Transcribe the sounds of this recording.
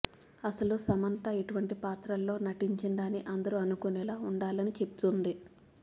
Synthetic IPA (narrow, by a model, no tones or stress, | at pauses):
ɐsɐlusɐmɐnt̪ɐeʈuʋɐɳʈipaːt̪ɾɐlːo̞ːnɐʈiɲt͡ʃiɳɖaːniʔɐnd̪ɐɾuɐnukunɛːlaːuɳɖaːlɐnit͡ʃe̞pu̥t̪und̪i